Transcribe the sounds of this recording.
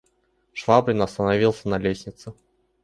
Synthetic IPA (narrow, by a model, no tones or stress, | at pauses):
ʂvabɾʲɪnɐst̪ənɐvʲilˠsʲənɐlʲesʲnʲɪt̪sɨ